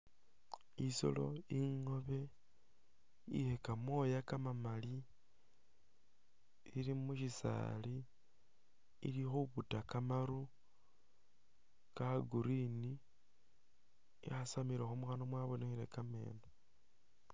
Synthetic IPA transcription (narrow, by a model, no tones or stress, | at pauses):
iso̰lo̞̰iŋo̞βe̞ | ḭhekamwo̞jakamamali | iɾimuʃisa̰li | ḭlixuβutakamaɾu | kaɡuɾini | iasamiɾexomuxanomwaβonexiɾḛkame̞̰ːno